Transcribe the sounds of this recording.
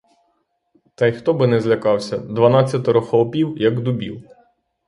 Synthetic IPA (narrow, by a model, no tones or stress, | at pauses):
t̪ɐjxt̪ɔbɪnɛzʲlʲɐkɑwsʲɐd̪ʋɐnɑt͡sʲːɐt̪ɔɾɔxɔɔpʲiwjɐɡd̪ʊbʲḭw